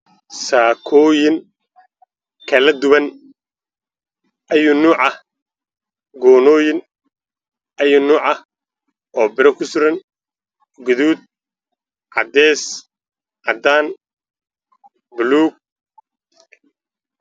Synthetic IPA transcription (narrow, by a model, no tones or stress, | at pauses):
saːkʰɔːjɪŋ | kʰɐlɐd̪ʊβɐn | ʔɐjʊnuːʕɐh | ɡɔːnɔːjɪn | ʔɐjʊnuːʕɐh | ʔɔːbɪɾɐkʰʊsʊɾɐn | ɡʊðuːd̪̚ | ʕɑd̪ɛːs | ʕɑd̪aːn | bʊluːɡ̚